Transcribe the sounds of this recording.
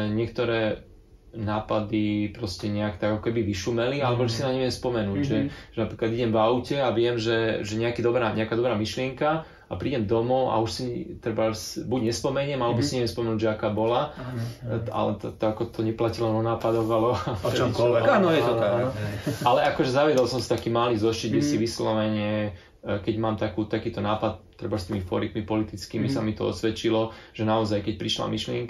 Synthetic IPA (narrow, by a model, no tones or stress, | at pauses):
ɲɪɛk̚t̪ɔɾɛː | naːpad̪ipɾɔscɛɲɛakt̪aɡakɔkɛbiʋiʃumɛlialɛbɔʒɛsinamɲɛʋɪɛmspɔmɛnuːɟʒɛʒ̥ɛnapɾiːklad̪iɟɛmvaʊcɛaʋɪɛmʒɛʒɛɲɛakid̪ɔbɾaɲɛakad̪ɔbɾaːmiʃlɪɛŋka | apɾiːɟɛmd̪ɔmɔa̰uʃsit̪ɾɛbasbuɟɲɛspɔmɛɲɛmalɛbisinɲɛʋɪɛmspɔmɛnuːɟʒɛakaːbɔla | a̰lɛt̪ɔt̪ɔakɔt̪ɔɲɛplacilɔnɔnaːpad̪ɔɣalɛʃiɔɛanɔɛt̪ɔalɛʔakɔʒɛzaʋɪɛd̪ɔlsɔmsit̪akiːmalizɔʃt͡ʃid̪̚ɡɟɛsiʋislɔʋɛɲɛ | kɛɟmaːmt̪akut̪akiːt̪ɔnaːpat̪̚t̪ːɾɛ̰bast̪iːmifɔ̰ɾikmipɔlit̪it͡skiːmisamit̪ɔɔ̰sʋɛt͡ʃilɔʒ̥ɛnaɔzajkɛc̚pɾiʃla̰miʃlɪɛŋk